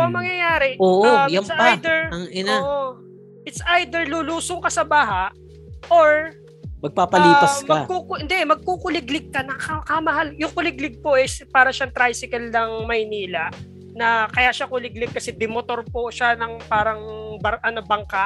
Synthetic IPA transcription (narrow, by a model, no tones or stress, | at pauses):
oɐŋmɐŋjɐjaːɾɛʔoːʔojɐnspad̪ɛɹɐŋɪnaʔo | ʔɪt̪sʔajd̪ɛɹluːluːsʊŋkɐsɐbaːɦaʔ | ʔoɹ | mɐɡ̚papɐliːɐskːɐɐɡkukɪnd̪ɛmɐɡ̚kukʊlɪɡlɪɡ̚kɐnɐkɐkɐmɐɦaljʊŋkʊlɪɡlɪɡ̚poʔɛpaːɾɐʃaŋt̪ɾajsɪkɐlnɐŋmɐjniːlɐʔ | nɐkɐjaːʃakʊlɪɡ̚lɪɡ̚kɐsɛd̪ɪmot̪o̞ɾpoʃanɐŋpaːɾɐŋbɐʔɐnobɐŋkaʔ